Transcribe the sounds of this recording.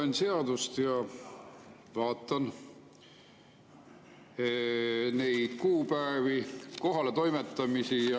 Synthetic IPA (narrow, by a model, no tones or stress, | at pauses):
ense̞ɑd̪ust̪jɑ | vɑːt̪ːˑɑn | nejd̪̥kuːpæeviko̞ɦɑle̞t̪o̞jmet̪ːˑɑmisijɑ